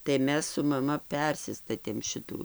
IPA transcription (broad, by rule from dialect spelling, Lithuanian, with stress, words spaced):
tɐɪ ˈmʲɛs sʊ mɐˈmɐ ˈpʲɛrʲsʲɪstɐtʲeːm ˈʃʲɪtuː